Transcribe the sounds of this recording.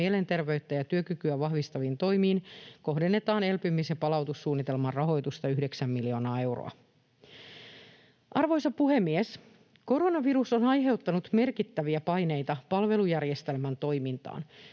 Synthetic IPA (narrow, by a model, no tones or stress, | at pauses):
iele̞nt̪e̞rʋe̞yt̪ːæjɑt̪yøkykyæʋɑhʋist̪ɑʋint̪o̞jmiːnko̞ɦde̞nːe̞t̪ɑːne̞lpymisjɑpɑlɑwt̪usːuːnːit̪e̞lmɑrrɑɦo̞jt̪ust̪ɑyhdeksæmːilio̞ːnɑːe̞wro̰ɑ̰ | ʔɑrʋo̞jsɑpuɦemːies | ko̞ɾo̞nɑʋiɾuso̞nɑjɦe̞wt̪ːɑnut̪me̞rkit̪ːæʋiæpɑjne̞jt̪ɑpɑlʋe̞lujærjest̪e̞lmænt̪o̞jmint̪ɑ̰ːn